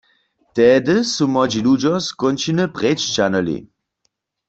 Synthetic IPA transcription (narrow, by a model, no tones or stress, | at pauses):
t̪ɛdəsumɔd͡ʒilud͡ʒɔskɔnt͡ʃinəpʁɛt͡ʃt͡ʃanɔlḭ